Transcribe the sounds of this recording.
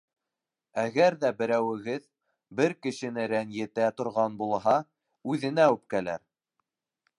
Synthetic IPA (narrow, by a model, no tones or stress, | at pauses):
æɣæɾðæbɘ̆ɾæwɘ̆ɣɘð | bɘɾkɘ̆ʃɘ̆nɘɾænjɘ̆t̪æt̪ŏɾʁɑnbulˠɦɑ | ʉðɘ̆næʉp̚kælæ̰ɾ